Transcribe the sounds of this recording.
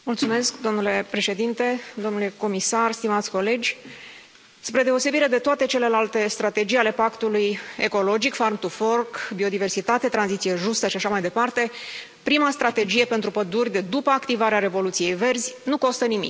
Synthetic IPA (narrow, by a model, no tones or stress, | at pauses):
mult̪sume̞skd̪o̞mnule̞pɾe̞ʃe̞d̪int̪e̞d̪o̞mnule̞ko̞misarst̪imat̪sʲko̞le̞d͡ʒʲ | spɾe̞d̪e̞o̞se̞biɾe̞d̪e̞t̪oat̪e̞t͡ʃe̞le̞lalt̪e̞st̪ɾat̪e̞d͡ʒijale̞pakt̪uluje̞ko̞lo̞d͡ʒikfarmt̪ufo̞rkbio̞d̪ive̞rsit̪at̪e̞t̪ɾanzit̪sijeʒust̪əʃiaʃamajd̪e̞part̪e̞ | pɾimast̪ɾat̪e̞d͡ʒije̞pe̞nt̪ɾupəd̪urʲd̪e̞d̪upəakt̪ivaɾeaɾe̞vo̞lut̪sije̞jve̞rzʲnuko̞st̪ənimḭk